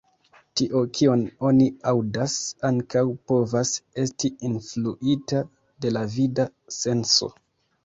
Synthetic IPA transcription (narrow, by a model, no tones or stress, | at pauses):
tiʔo̞kʰio̞no̞niawdasaŋkawpo̞vase̞stiinfluʔita | de̞lavidase̞nso̞̰